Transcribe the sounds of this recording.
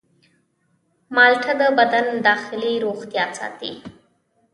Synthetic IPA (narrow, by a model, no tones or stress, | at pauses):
mɑlʈʰad̪əbad̪and̪ɑxɪliɾoxt̪jɑsɑ̰ːt̪ḭ